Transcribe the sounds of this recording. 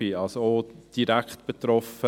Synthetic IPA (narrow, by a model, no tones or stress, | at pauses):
iɑlsood̥iɾækχtb̥et̪ɾɔfə